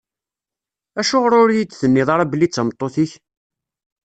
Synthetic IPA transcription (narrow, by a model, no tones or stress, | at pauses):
æʃʊʁɾʊɾjid̪θənːɪðˤɑɾˤæblːit͡sːəmt̪ˤːoθiç